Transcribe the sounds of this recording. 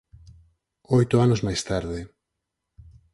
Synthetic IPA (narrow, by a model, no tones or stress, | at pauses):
ojt̪ʊanʊzmajst̪aɾðɪ